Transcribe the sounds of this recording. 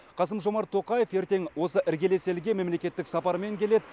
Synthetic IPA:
qʰɑsəmʒo̞mɑɾt̪ʰːo̞qɑje̞fje̞ɾt̪e̞ŋwo̞səʔɪɾɡʲe̞le̞se̞lɡʲe̞me̞mle̞kʲe̞t̪ːɪksɑpɑɾme̞ŋkʲʰe̞le̞d̪ɪ

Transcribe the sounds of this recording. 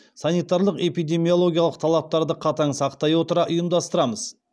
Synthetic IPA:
sɑnijt̪ɑɾlˠəqe̞pijd̪e̞mijo̞lˠo̞ɡʲijalˠəq̚t̪ʰɑlˠɑp̚t̪ɑɾd̪əqʰɑt̪ɑɴsɑqt̪ɑjwo̞t̪əɾɑʔʊjəmd̪ɑst̪əɾɑməz̥

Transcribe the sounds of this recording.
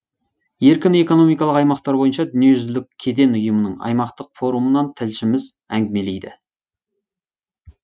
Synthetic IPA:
je̞ɾkʲɪne̞ko̞no̞mijkɑlˠəqɑjmɑqt̪ɑɾbo̞jənʃɑd̪ʏnije̞ʒʏzlɪk̚ʲʰːe̞d̪e̞nʊjəmənəɴɑ̰jmɑqt̪əqfo̞ɾumənɑnt̪ʰɪlʃɪmɪz | æŋɡʲɪme̞lejd̪ɪ̰

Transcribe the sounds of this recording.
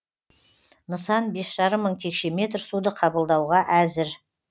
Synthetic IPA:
nəsɑnbe̞sʒ̥ɑɾəmːəɴt̪ʰe̞kʃe̞me̞t̪̬ɾsud̪əqʰɑbəlˠd̪ɑwʁɑʔæzɪɾ

